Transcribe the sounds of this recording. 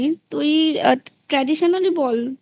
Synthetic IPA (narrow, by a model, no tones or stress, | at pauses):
t̪ojitɹadisɔnalibɔl